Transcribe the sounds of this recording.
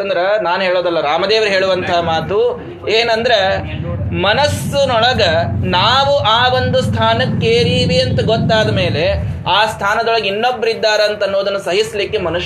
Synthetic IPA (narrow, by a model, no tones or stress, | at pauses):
ɐnd̪ɐɾenaːnɦeːɭoːd̪ɐlːɐɾaːmɐd̪eːʋɐɾɦe̞ːɭuʋɐnt̪ʰɐɦɐmaːt̪u | eːnɐnd̪ɐɾe | mɐnɐsːunɔɭɐɡɐnaːʋuʔaːʋo̞nd̪ust̪ʰaːnɐkːeːɾiːʋiɐnt̪ɐɡɔt̪ːaːd̪ɐme̞ːle̞aːst̪ʰaːnɐd̪ɔɭɐɡinːobːɐɾid̪ːaːɾeɐnt̪ɐnːoːd̪ɐnːusɐɦislikːemɐnuʃ